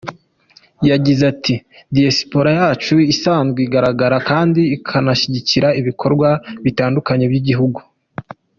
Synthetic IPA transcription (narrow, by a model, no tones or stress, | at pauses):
jaɟizatʰidiasi̥po̞ɾajaːt͡ʃuisaːnzɡeiɡaɾaɡaɾakaːndiːkʰanaʃiɟiciɾaiβikʰo̞ɾɡwaβitaːndukaɲe̞bɟiɟiɦuɡu